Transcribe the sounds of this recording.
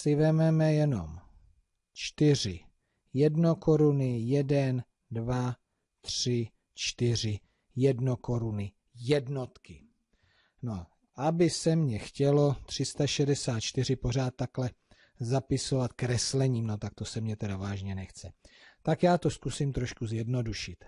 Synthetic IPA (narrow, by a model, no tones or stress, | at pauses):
sɪvɛmɛmɛjɛno̞̰m | t͡ʃt̪ɪr̝ɪ | jɛdno̞ko̞ɾunɪjɛdɛn | dva | t̪r̥ɪ | t͡ʃt̪ɪr̝ɪ | jɛdnoko̞ɾunɪ | jɛdno̞t̪kɪ | no | ʔabɪsɛmɲɛxcɛlo̞t̪r̝̥ɪst̪aʃɛdɛsaːt̪̚t͡ʃt̪ɪr̝ɪpo̞r̝aːt̪̚ːaklɛ | zapɪso̞vat̪kɾɛslɛɲiːmno̞t̪ak̚t̪o̞sɛmɲɛt̪ɛdavaːʒɲɛnɛxt͡sɛt̪akjaːt̪o̞skusimt̪ɾoʃkuzjɛdno̞duʃɪt̪